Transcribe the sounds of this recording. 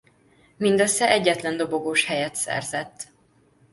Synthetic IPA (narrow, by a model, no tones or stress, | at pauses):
mind̪ɒsɛʔɛɟːɛt̪lɛnd̪o̞bo̞ɡoːʃhɛjɛt̪sɛ̰rzɛt̪ː